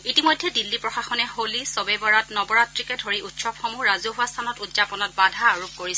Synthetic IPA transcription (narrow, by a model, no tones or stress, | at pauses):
itimojdʱːɛdilːipɹɔxaxɔnɛholisɔbɛbɔɹatnɔbɔɹatɹikɛdʱoɹiʔutsɔpxomuɹazoɦʊastʰanɔtutzapɔnɔt̚badʱaːɹup̚koɹis